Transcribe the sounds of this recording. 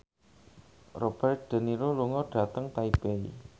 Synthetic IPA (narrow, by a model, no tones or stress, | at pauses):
rob̥ɛrt̪̚ɖ̪̥ə̤niɾoluŋɔɖ̥ä̤t̪əŋt̪aib̥eḭ